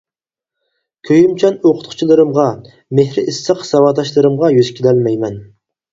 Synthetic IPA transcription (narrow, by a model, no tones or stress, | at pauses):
kʲʰøjymt͡ʃʰɛnoqʰʊ̥t̪̚qʰʊ̥t͡ʃʰilˠɨɾɨmʁɑ | mehɾɪʔisːəqsɑwɑːd̪ɑʃlˠɨɾɨmʁɑjyzkʲʰilɛlmɛjmɛn